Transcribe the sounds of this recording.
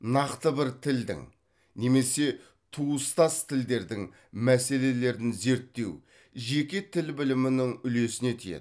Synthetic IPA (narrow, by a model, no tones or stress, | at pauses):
nɑqt̪əbɪɾt̪ʰɪld̪ɪ̰ŋ | ne̞me̞se̞ | t̪ʰuəst̪ɑst̪ʰɪld̪e̞ɾd̪ɪŋ | mæse̞le̞le̞ɾd̪ɪnze̞ɾt̪ːe̞̰w | ʒe̞kʲe̞t̪ʰɪlbɪlɪmɪnɪŋʏle̞sɪne̞t̪ʰijḛ